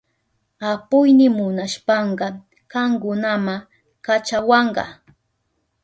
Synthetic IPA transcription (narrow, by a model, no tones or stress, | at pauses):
apʊjnɪmʊnaʃpɑɴɢɑ | kɑŋkʊnama | kat͡ʃawɑɴɢɑ̰